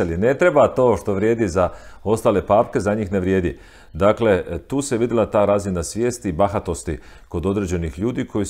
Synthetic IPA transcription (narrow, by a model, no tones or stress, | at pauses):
eline̞t̪ɾe̞bat̪o̞ːʃt̪o̞ʋɾje̞ːd̪izao̞st̪aːlepaːpke̞zaɲixneʋɾje̞ːd̪ḭ | d̪akle̞t̪uːseʋid̪ilˠat̪aːɾazinasʋje̞ːst̪ibaxat̪o̞st̪i | ko̞d̪o̞d̪ɾe̞ːd͡ʑe̞nixʎuːd̪ikʰo̞ji